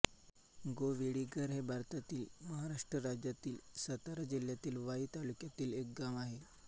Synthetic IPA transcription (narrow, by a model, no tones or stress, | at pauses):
ɡoʋiɽiɡəɾɦebʱaɾt̪at̪iːlməɦaɾaʂʈɾəɾad͡ʑjat̪iːlsət̪aɾad͡ʑiljat̪iːlʋaiːt̪alukjat̪iːlek̚ɡamaɦe